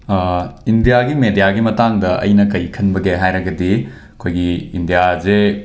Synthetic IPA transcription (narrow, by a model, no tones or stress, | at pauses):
indijaɡimedijaɡimɐtaŋdɐʔɐ̰jnɐkɐjkʰɐnbɐɡeɦajɾɐɡɐdi | ɐkʰojɡiindijaze